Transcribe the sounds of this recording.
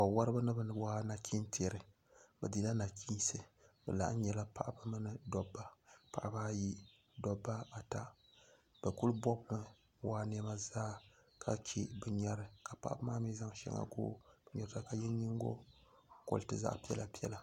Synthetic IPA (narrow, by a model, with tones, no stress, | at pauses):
a˨wa˦ɾɨ˦ba˦nɨ˦bɨ˦nɨ˦bwaː˦na˨kʰʲi˦ntʰe˨ɾɨ˨ | bɛ̰˨di˦la˦na˨kʰi˦nsɨ˦bɛ̰˨la̰˨ʔɲɛ˨la˦pa˨ʔba˦mɨ˦nɨ˦dɔ˨bːa˦pa˨ʔbaː˦ji˦ | dɔ˨bːa˦a˨ta˨ | b̥ɛ˨ku˦lbɔ˦bnɨ˦ | waː˦n˦ɛ˦ma˦zaː˦kʰa˦ki˦bɨ˨ɲɛ˨ɾɨ˦ka˨pa̰˨ʔba˦maː˦mi˦za˦ŋʃɛ̰˦ŋa̰˨ɡo̰ː˦b̥ɛ˨ɲɛ˨ɾta˦ka˨jɛ˦ɲi˦ŋ˦ɡo̰˦ | ko̰˨ltɨ̰˦za̰˦ʔpi˦ɛ̰˦la˨pi˦ɛ̰˦la˨